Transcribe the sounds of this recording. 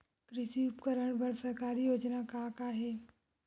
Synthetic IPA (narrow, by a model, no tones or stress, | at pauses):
kɾɪʃiʊpkəɾəɽ̃bɐɾsɐɾkaːɾijoːd͡ʒnakakaɦeː